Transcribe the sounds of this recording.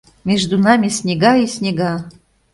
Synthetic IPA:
mʲeʒd̪unɑmʲisʲnʲeɡɑisʲnʲeɡɑ

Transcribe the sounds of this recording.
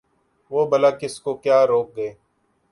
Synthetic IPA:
ʋoːbəlaːkɪskokjaːɾoːk̚ɡəeː

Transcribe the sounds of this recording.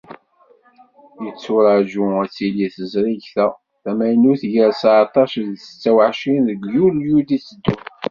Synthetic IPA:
jət͡sːʊɾɑʒuæt͡sːiliθəzɾiʝθæ | θæmæjnuθʝəɾsʕt̪ˤɑʃðə̥t͡sːæwʕʃinðəɡjuljud̪isəd̪ːu

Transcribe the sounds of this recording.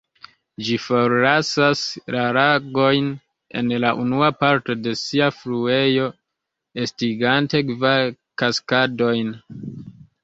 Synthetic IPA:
d͡ʒifo̞ɾlasaslaɾaɡo̞jn | e̞̰nlaʔunuapaɾto̞de̞siaflue̞jo̞ | estiɡante̞kva | kaskado̞jn

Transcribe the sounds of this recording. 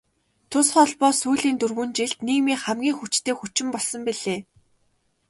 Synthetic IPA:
t̪ʰʊsχɔɮpɔːsuːɮiːnt̪ɵrɣɵ̆nt͡ɕiɮt̪niːkmiːχæmɡʲiːŋxut͡ɕt̪ʰeːxut͡ɕɪ̆mpɔɮsɞ̆mpiɮ̥eː

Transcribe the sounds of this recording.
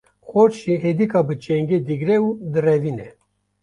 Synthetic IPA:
xoɾʃiɦed̪ikɑbɨt͡ʃɛŋɡed̪ɨɡɾɛud̪ɨrɛvinɛ

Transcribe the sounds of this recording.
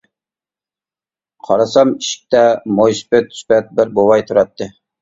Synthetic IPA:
qʰɑɾɑsɑmiʃɪ̥k̚ʲt̪ɛmojsɪ̥pɪt̪ʰːy̥spɛt̪̚bɪɾbowɑjt̪ʰuɾɑt̪ːɨ

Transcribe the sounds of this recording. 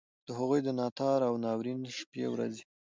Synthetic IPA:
d̪̥əɦaɣujd̪ənɑt̪ɑɾawnɑwɾinʃpḛwɾa̰zi

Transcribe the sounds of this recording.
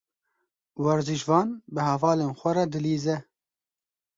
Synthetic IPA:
wɛɾziʒvɑːnbɨhɛvɑːleːnxʷɛɾɑd̪ɨliːzɛ

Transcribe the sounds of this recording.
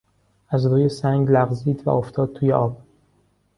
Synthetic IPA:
æzɾuːjesæŋɟlæɣziːd̪væ̰ʔoft̪ʰɒːd̪̚t̪ʰuːjeʔɒːb̥̚

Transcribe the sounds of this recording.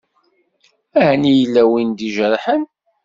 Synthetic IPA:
æhnijəlːæwind̪iʒəɾˤħən

